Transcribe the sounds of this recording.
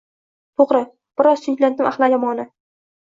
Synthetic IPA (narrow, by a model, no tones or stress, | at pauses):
t̪ʰoʁɾɪ | b̥ɪɾɒz̥ʃʊɲd͡ʒlad̪ɪmʔaχlˠajɒmɒnɪ